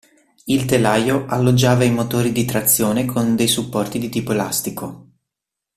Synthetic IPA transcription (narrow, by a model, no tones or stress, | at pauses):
ilt̪elaːjoʔalːod͡ʒːaːvaimot̪oːɾid̪it̪ɾat̪sːjoːnekʰond̪ejsupːɔrt̪id̪it̪iːpoelast̪iko